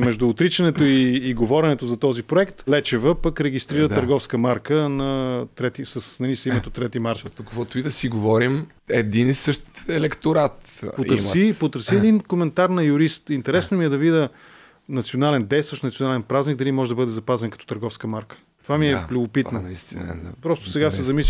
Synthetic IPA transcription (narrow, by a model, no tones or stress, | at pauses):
mɛʒd̪uːt̪ɾit͡ʃɐnɛt̪oiːɡovɔɾɛnɛt̪ozɐt̪ɔzipɾoɛkt̪lɛt͡ʃɛvəpəkɾɛɡist̪ɾiɾət̪əɾɡɔfskəmaɾkənɐt̪ɾɛt̪isəsnɐlisimɛt̪ot̪ːɾɛt̪imaɾt̪kkvɔt̪ʊid̪ɐsiɡovɔɾim | ɛd̪inisəʃt̪ɛlɛkt̪oɾat̪pot̪əsipot̪əɾsiɛd̪inkomɛnt̪aɾnɐjʊɾist̪int̪ɛɾɛsnomiɛd̪ɐvid̪ə | nɐt̪sionalɛnd̪ɛjst̪vəʃnt̪ionalɛnpɾazniɡ̚d̪ɐlimɔʒɛd̪ɐbɤd̪ɛzɐpazɛnkɐt̪ɔ̥t̪əɾɡɔfskəmaɾkə̥ | t̪ovamiɛplʲubopit̪no̰ | pɾɔst̪o̥sɛɡasɛzɐmis